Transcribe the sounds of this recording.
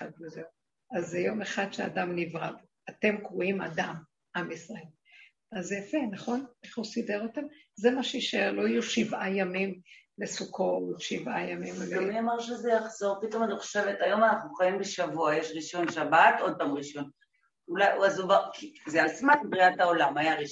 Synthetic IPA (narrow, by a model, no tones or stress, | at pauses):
adveze | azejo̞me̞χad̪ʃea̰damnivʁav | ate̞mkʁuima̰dam | amisʁael | azafenaχo̞neχuside̞ʁotemzemaʃeiʃeʁlo̞ijuʃivajamimlesukʰo̞ʃivʔajamimleamiamaʁʃezejaχz̥o̞ʁpit̪o̞maniχo̞̥ʃe̞vetajo̞manaχnuχaimbeʃavuajeʃʁiʃo̞nʃabat̪od̪̚pamʁiʃo̞n | ulajazovakizealsmatbʁiataolamajaʁi